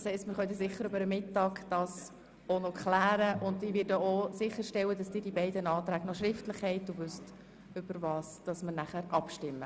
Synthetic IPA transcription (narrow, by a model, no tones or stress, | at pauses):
shɛɪstmɪχœntəsɪχːəɾʏbəɾəmɪtːɑːɡd̥ɑːs | onokχlæːɾəʔʊndiːʋɪdəosɪχːəɾʃtɛwəd̥ɑsd̥ɪːdibæɪdənɑːt̪ɾæːɡnɔʃɾɪftlɪχhɛɪt̚duvʏst | ʏb̥əɾvɑːsd̥ɑsməɾnæχæɾʔɑpʃtɪmːə